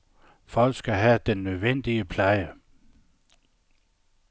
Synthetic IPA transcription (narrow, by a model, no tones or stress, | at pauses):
fɒ̽l̰ɡ̥sɡ̥æɦæd̥enːøðˠʋen̰d̥iəpʰlɑɪə